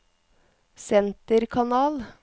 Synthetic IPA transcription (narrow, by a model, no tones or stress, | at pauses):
sɛnt̪əɾkʰɑnɑːl